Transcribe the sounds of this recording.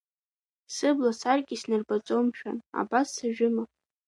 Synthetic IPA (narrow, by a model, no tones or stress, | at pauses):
sɨblasarɡʲʼisnɨrbat͡sʼomʃᶣa̰na̰basːaʒᶣʊma